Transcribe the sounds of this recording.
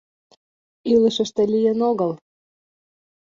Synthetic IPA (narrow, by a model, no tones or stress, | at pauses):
ilə̆ʃə̆ʃt̪ĕlijenoɣəl